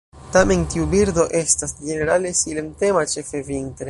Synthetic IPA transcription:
tame̞ntiubiɾdo̞ʔe̞stasd͡ʒe̞ne̞ɾale̞silemte̞mat͡ʃe̞fe̞vintɾe

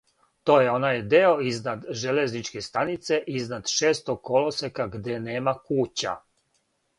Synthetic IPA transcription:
t̪o̞ːjeo̞najd̪eo̞iznad̪ʒeleznit͡ʃke̞st̪anit̪se̞ʔiznad̪ʃe̞ːst̪oɡ̚kolosekaɡd̪eneːmakuːt͡ɕa̰

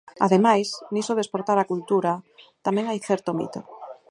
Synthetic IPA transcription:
a̰ðemajsnisoðespoɾt̪aɾakult̪uɾat̪amɛ̃ŋajθɛɾt̪omḭt̪o

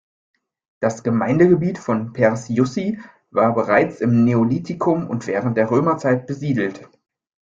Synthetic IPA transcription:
d̥asɡ̥əmaɪndəɡəbiːtfɔnpʰɛʁsjʊsi | vaːɐbəʁaɪt͡sɪmneoliːtʰɪkʰʊmʊ̰ntv̥ɛːʁənt̚d̥eːɐʁ̞øːmɐt͡saɪt̚b̥əziːdl̩t

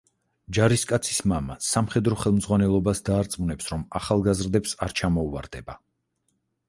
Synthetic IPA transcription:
d͡ʒaɾiskʼat̪sʰi̥smamasamχɛd̪ɾɔχɛlˠmzʁwanɛlˠɔbasd̪aːɾt̪sʼmunɛpsɾɔmaχalˠɡazɾd̪ɛpsaɾt͡ʃʰamɔuva̰ɾd̪ɛba

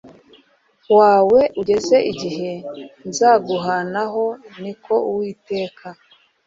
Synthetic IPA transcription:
waːwe̞ʔuɟe̞ze̞ʔiɟiɦe̞nzaːɡuɦanaɦo̞niko̞uwiːte̞ːkʰa

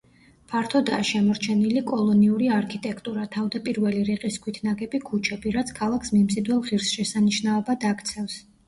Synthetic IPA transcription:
pʰaɾt̪ʰɔd̪aːʃɛmɔɾt͡ʃʰɛnilikʼɔlˠɔniuɾiaɾkʰit̪ʼɛkʰt̪ʼuɾat̪ʰavd̪apʼiɾvɛliɾiqʼiskʰwit̪ʰnaɡɛbikʰut͡ʃʰɛbiɾat̪sʰkʰalˠakʰsmimsʼid̪wɛlˠʁiɾsʃɛsaniʃnaɔbad̪akt̪sʰɛfs

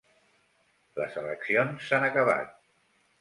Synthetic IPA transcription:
lə̰zələksionsːanəkəβ̞a̰t̪̚

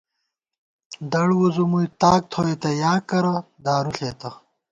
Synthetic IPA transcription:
d̪ɐɽwuzumujt̪aːk̚t̪ʰoːet̪ɐjaːkɐɾɐ | d̪aːɾuɬeːt̪ɐ

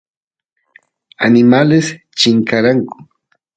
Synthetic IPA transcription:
a̰nɪmales | t͡ʃɪŋkaɾaŋkʊ̥

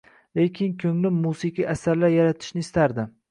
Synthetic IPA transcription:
le̞kʲʰɪnkʲʰɵŋlɪmusiqiʔasaɾlaɾjaɾat̪ʰɪ̥ʃnɪːst̪aɾd̪ɪ

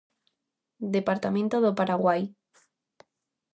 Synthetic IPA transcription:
d̪epaɾt̪amẽnt̪oðopaɾaɣwaj

